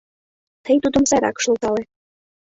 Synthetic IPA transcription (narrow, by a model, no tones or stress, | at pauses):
t̪ʰəjt̪ud̪ə̆mzɑɾɑ̰kʃɤ̆lt̪ɑle